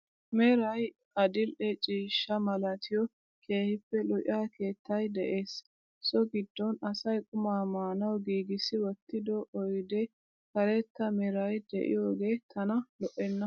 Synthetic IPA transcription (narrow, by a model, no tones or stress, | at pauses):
meɾɐj | ʔɐd̪ɪlʔɛt͡ʃʼiːʃːɐmɐlɐt̪ʰɪjɔ | kʰe̞ːhɪpːɛlɔʔʔaːke̞ːt̪ːɐjd̪ɛʔe̞ːs | sɔɡɪd̪ːɔnɐsɐjkʼʊmaːmaːnɐwɡiːɡɪsɪwɔt̪ːɪd̪ɔʔɔjd̪ɛ | kɐɾɛt̪ːɐmɛɾɐjd̪ɛ̰ʔɪ̰joːɡeːt̪ʰɐnɐlɔʔɛnːɐ